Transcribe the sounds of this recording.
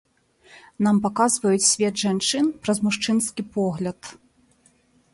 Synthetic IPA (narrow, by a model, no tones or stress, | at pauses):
nampakazvɐjut͡sʲsʲvʲɛd̪ʐant͡ʂɨnpɾɐzmuʂt͡ʂɨnskʲipɔɣlʲɐt̪